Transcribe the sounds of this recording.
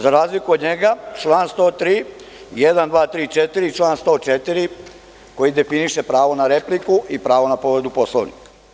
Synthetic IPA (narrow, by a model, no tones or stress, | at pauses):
zaɾaːzlikuod̪ɲeɡat͡ʃlˠaːnst̪o̞ːt̪ɾiː | jed̪and̪ʋaːt̪ɾiːt͡ʃet̪iɾit͡ʃlˠaːnst̪o̞ːt͡ʃet̪iɾi | ko̞jid̪e̞finiʃe̞pɾaːʋo̞naɾe̞plikuʔipɾaːʋo̞napoʋed̪upo̞slˠoʋnḭka